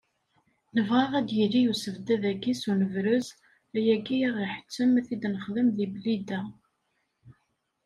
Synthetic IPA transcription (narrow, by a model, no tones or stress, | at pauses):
nəvʁɑʁæd̪jəlːijusəvd̪æðæɡisunəvɾəz | æjæɡiʁiħə̥t͡sːəmæθid̪nəχðəmðiblid̪æ